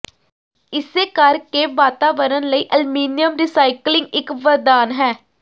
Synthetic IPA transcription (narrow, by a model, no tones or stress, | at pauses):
ɪseːkəɾkeːʋaːt̪aːʋəɾənləiːʔəlmiːnijəmɾiːsaːɪklɪ̃ŋɡɪkʋəɾd̪aːnɦɛː